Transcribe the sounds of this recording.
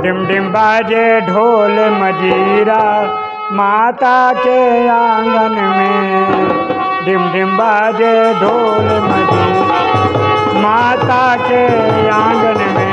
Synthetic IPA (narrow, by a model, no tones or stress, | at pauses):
ɖimɖimbad͡ʒeɖʱoːlemɐd͡ʒiɾa | maːt̪akejãːŋɡɐnme | ɖimɖimbaːd͡ʒeɖʱoːlemɐd͡ʒi | maː | t̪ake | jã | ŋɡɐnme